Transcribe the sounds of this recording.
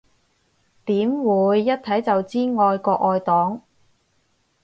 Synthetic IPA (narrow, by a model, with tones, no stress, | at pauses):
t̪iː˨˥mwuː˨˧jːɐ˥t̚t̪ʰɐ˨˥jt͡sɐ˨wt͡siː˥ŋɔː˨˧jkɔː˧k̚ɔː˨˧jt̪ɔː˨˥ŋ